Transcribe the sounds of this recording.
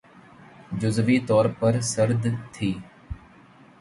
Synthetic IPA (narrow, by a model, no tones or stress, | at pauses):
d͡ʒʊzʋiːt̪ɔːɾpəɾsəɾd̪t̪ʰiː